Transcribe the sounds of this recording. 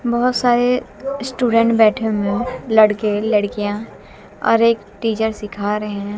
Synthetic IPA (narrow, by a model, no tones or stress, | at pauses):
bɐɦʊt̪saːɾesʈuːɖə̃ɳʈbɛːʈʰẽmẽlɐɽkelɐɽkijã | ɔ̰ːɾeːk | ʈiːt͡ʃəɾsɪkʰaːɾɐɦeɦɛ̃